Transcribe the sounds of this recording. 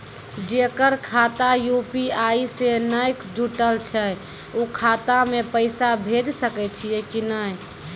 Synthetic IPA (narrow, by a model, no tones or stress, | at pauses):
d͡ʒekəɾkʰat̪ajupiaisenəjkd͡ʒuʈəlt͡ʃʰɛ | okʰat̪amepəɪsabʱed͡ʒsəkɛt͡ʃʰijɛkinəj